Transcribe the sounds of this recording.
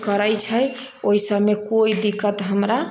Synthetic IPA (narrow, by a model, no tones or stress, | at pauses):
kəɾəjt͡ʃʰəj | oisəbmːekoid̪ikːət̪ɦəmɾa